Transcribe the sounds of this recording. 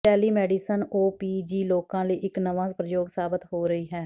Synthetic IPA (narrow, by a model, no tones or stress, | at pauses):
ɛːliːmɛːɖiːsənoːpiːd͡ʒiːloːkãːləiːʔɪknəʋãːpɾəjoːɡsaːbət̪ɦoːɾəiːɦɛː